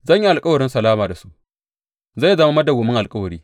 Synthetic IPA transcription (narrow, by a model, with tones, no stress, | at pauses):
zɐ˦˨ɲji˦ʔa˨lkʼɐ˦wɐ˨ɽɪ˦nsɐ˨laː˦maː˨da˨su˦ʔ | za˦˨jza˨ma˦mɐ˦da˨ɡʷʊ˨mɪ˦ŋʔa˨lkʼɐ˦wɐ˨ɾiː˦